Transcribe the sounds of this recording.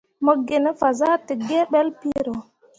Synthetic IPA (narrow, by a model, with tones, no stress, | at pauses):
mɔ˦ɡe˨nɛ˦fa˨za˦ti˨ɡɛ˦ɓɛ˦lpi˦ɾɔ˨